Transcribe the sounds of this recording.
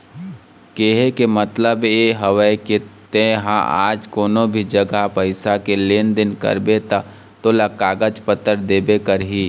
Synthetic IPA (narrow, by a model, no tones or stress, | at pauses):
keɦekemət̪ləbjeɦəʋəket̪ẽɦã̰ʔa̰ːd͡ʒkoːnõbʱid͡ʒəɡapəɪsakeleːnd̪ɪnkə̰ɾbet̪a | t̪oːlakaːɡəd͡ʒpət̪ːəɾd̪eːbekəɾɦiː